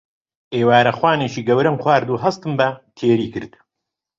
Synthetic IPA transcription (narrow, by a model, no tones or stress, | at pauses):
ʔeːwaːɾɐxwaːneːʃiːɡɐwɾɐmxwaːɾd̪uːɦɐst̪ɨmbɐt̪ʰeːɾiːkɨɾd̪̥